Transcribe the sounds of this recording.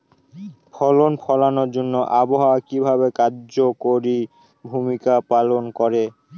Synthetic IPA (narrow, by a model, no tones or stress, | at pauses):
pʰɔlonpʰɔlanoɾd͡ʑonːoʔaboɦawakibʱabekaɾd͡ʑokoɾi | bʱumikapalonkɔɾe